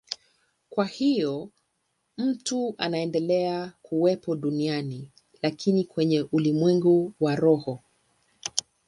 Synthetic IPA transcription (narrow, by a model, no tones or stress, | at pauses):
kwahijɔ | m̩tua̰naɛndɛlɛakʰuwɛpʰɔɗuniani | lakʰinikwɛɲɛʔulimwɛŋɡuwaɾɔhɔ